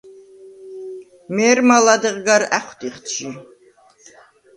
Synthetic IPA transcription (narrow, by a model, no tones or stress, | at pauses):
mɛːɾmalad̪ɨʁɡaɾæχʷt̪ʼiχt̪ʰʒi